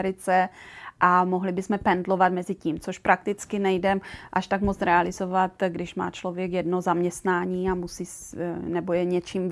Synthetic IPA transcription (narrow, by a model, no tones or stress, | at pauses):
ɾɪt͡sɛʔamoɦlɪbɪsmɛpɛndlo̞vat̪mɛzɪciːmt͡soʃpɾak̚t̪ɪt͡skɪnɛjdɛmʔaʃt̪akmot͡sɾɛalɪzovat̪ɡdɪʃma̰ːt͡ʃlo̞vjɛkjɛdnozamɲɛst̪naːɲiːamusiːnɛbojɛɲɛt͡ʃiːm